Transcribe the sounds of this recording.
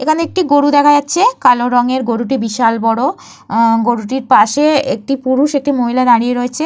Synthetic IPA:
ekʰaneek̚ʈiɡoɽud̪ɛkʰajatːɕʰekaloɾɔŋeɾɡoɽuʈibiʃalbɔɽo | ɡoɽuʈiɾpaʃeek̚ʈipuɾuʃek̚ʈimoɦilad̪aɽijeɾoet͡ɕʰe

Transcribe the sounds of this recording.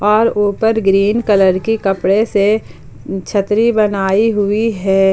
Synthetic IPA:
ɔːɾuːpəɾɡɾiːnkələɾkikɐpɽese | t͡ʃʰət̪ɾibənaːiɦʊiɦɛː

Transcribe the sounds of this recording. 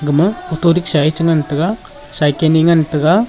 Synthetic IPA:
ɡɯmɯɔtoɾik̚sait͡ʃɯŋantɯɡa | sajkeniŋantɯɡa

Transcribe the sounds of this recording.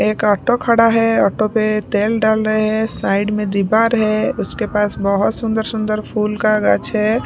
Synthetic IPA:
eːkɔːʈokʰəɽaɦɛɔːʈopet̪eːlɖaːlɾəɦeɦɛ̃saːɪɖmẽd̪ibaːɾɦɛ̃ʊskepaːsbəɦʊt̪sʊ̃nd̪əɾsʊ̃nd̪əɾpʰuːlkaɡət͡ʃɦɛ

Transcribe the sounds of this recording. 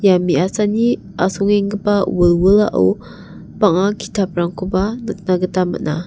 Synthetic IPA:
jamiasani | asuŋiŋɡəpawəlwəla̰ʔṵw | paŋaki̥tap̚ɾaŋkubanək̚naɡətama̰ʔna

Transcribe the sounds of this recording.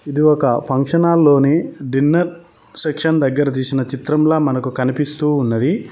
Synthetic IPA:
id̪iɔkɐpʰɐŋkʂɐnaːlːo̞ːniɖinːɐɾ | sekʂɐnd̪ɐɡːɐɾɐt̪̬iːsinɐt͡ʃit̪ɾɐmlaːmɐnɐkukɐnipist̪uːnːɐd̪i

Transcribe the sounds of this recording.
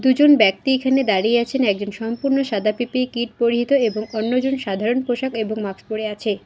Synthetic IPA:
d̪ud͡ʑonbɛk̚t̪iekʰaned̪aɾijeat͡ɕʰenɛk̚d͡ʑonʃɔmpuɾnoʃad̪ʱapipekiʈ̚poɾiɦit̪oeboŋonːod͡ʑonʃad̪ʱaɾonpoʃakeboŋmakspoɾeat͡ɕʰe

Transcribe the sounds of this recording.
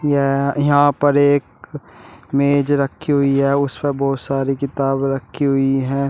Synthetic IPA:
jejɐɦãːpɐɾeːk | meːd͡ʒɾɐkʰːiɦʊiɦɛːʊspebɔːt̪saːɾikɪt̪aːbɾɐkʰːiɦʊiɦɛ̃ː

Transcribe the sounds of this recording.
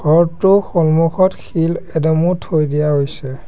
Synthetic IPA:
ɡʱɔɹtʊxɔlmuxɔtxilɛdɔmutʰojdijaɦojsɛ

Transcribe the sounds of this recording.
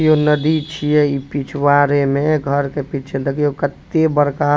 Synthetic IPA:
jonəd̪it͡ʃʰijɛipit͡ʃʰwaɾemẽɡʱəɾkepit͡ʃʰed̪əkijokət̪ːebəɾka

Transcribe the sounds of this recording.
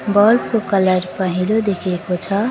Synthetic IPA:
bɔlb̚kokələɾpəɦilod̪ekʰekot͡ʃʰʌ

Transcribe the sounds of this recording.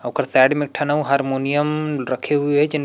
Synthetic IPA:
ɐbkəɾsɛːɖmɪk̚ʈʰɐnɐũɦaːɾmoːnijəmɾɐkʰeɦʊeɦɛd͡ʒɪn

